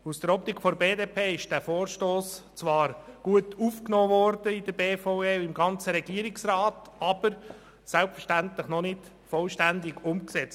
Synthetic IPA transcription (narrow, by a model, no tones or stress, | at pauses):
usd̥əɾɔp̚tɪkfɔɾbeːdeːpʰeːɪʃd̥æːfoːɾʃtoːst͡sʋɑːɾɡ̥uətufknoːvɔɾd̥əɪdəɾbeːfoeːɪmɡɑnt͡səɾɛɡiːəɾɪksɾɑːtɑb̥əɾ | sælpfəɾʃtæntləχnɔnɪt | fɔlʃtænd̪ɪɡʊmksɛt͡st